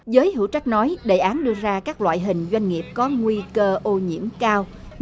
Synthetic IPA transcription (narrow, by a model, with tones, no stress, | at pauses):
zəː˨˦jɦɨ̰˧˥wt͡ɕa˦˥jk̟̚nɔ˨˦jɗə˧˩jʔaː˨˦nɗɨ˧əzaː˧kaː˦˥k̚lwa̰ː˧˨jɦï˨˩ŋ̟zwa˧jŋ̟ŋi˨˩əp̚kɔ˨˦ŋwi˧kəː˧ʔo˧ɲḭ˧˥əmkaː˧w